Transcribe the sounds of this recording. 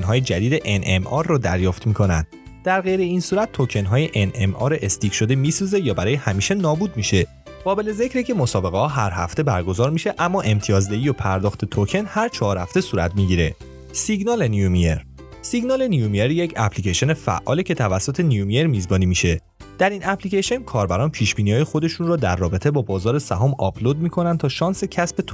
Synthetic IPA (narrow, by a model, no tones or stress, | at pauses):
nɦɒːjed͡ʒæd̪iːd̪e̞ʔenʔemɒɾːɔd̪æɾjɒːft̪miːkʰo̞nænd̪̥ | d̪̥æɾɣejɾe̞iːnsuːɾæt̪̚ːʰocʰe̞nɦɒːjeʔenʔemʔɒ̰ːɾeʔest̪ikʃo̞d̪emiːsuːze̞jɒːbæɾɒːjehæmiːʃe̞nɒːbuːd̪̚miʃe̞ | ɢ̥ɒːbe̞leze̞cɾicʰe̞mo̞sɒːbe̞ɣehɒːɦæɾhæ̰ft̪e̞bæɾɡo̞zɒːɾmiʃe̞ʔæmːɒːʔe̞mt̪ʰijɒːzd̪eiːjopʰæɾd̪ɒːxt̪ʰe̞t̪ʰocʰe̞nhæɾt͡ʃʰɒːɾhæft̪e̞suːɾæ̰t̪ʰmiɟiɾe̞ | siɡnɒːle̞nijumeɾ | siɡnɒːle̞nijumieɾjecʰæ̰pʰlicʰeʃone̞fæ̰ʔɒːlecʰe̞t̪ʰævæsːot̪ʰe̞nijumijeɾmiːzbɒːniːmiʃe̞ | d̪̥æɾinæpʰliceʃenkʰɒːɾbæɾɒːnpʰiːʃbiːniɒːjexo̞d̪e̞ʃunrɔːd̪æɾːɒːbe̞t̪ʰe̞bɒːbɒːzɒːɾe̞sæɦɒːmɒ̰pʰlod̪̚miːkʰo̞nænt̪ʰɒːʃɒːnse̞cʰæsbe̞t̪ʰo̥